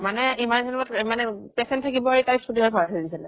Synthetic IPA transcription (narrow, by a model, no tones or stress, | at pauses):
manɛimanzɛnatmanɛpɛsɛntʰakibɔaɹitajspʰotimabʰʱaɹdʰʱɔɹidisalɛ